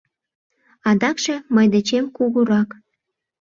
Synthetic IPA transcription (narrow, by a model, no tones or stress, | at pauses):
ɑd̪ɑkʃĕməjd̪et͡ɕemkuɣuɾɑk